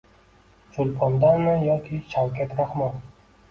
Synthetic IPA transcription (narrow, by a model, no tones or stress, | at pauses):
t͡ʃʰʊlpʰɒnd̪anɪjɒkʲʰɪʃʰawkʲʰat̪ɾaχman